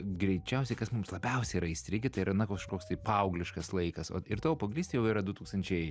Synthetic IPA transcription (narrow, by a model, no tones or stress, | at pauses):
ɡɾʲɛɪt͡ʃʲɛʊsʲɛɪkɐsmʊmslˠɐbʲɛʊsʲɛɪɾɐɪsʲt̪ʲɾʲɪɡʲɪt̪ɐɪɾɐnɐkoːkʃkoːkst̪ɐɪpɑɐʊɡlʲɪʃkɐslˠɐɪkɐsoːɪrt̪oːʋopɐɡʲlʲiːst̪ʲejɛʊiːɾɐd̪ʊt̪uːkst̪ɐnʲt͡ʃʲɛɪ